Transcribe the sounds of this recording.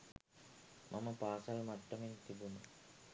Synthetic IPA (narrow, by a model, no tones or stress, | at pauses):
mʔɐmɐpaːsɐlmɐʈːɐment̪ibunɐ